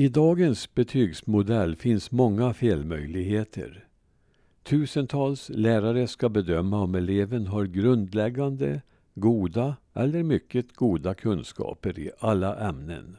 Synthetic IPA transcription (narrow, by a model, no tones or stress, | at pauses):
ɪd̪ɑːɡənsbɛt̪ʰyːɡsmʊd̪ɛlːfɪnsmɔŋːafeːlmœjlɪɡheːt̪ʰə̰ɾ | t̪ʰʉ̟ːsənt̪ʰɑːlslæːɾaɾəskabɛd̪œmːaɔmɛleːvənɦaɾɡɾɵnd̪lɛɡːand̪ə | ɡuːd̪aʔɛlːəɾmʏkːət̪ɡ̥uːd̪akʰɵnskɑ̰ːpəɾɪ̰ʔalːaʔɛmnə̰n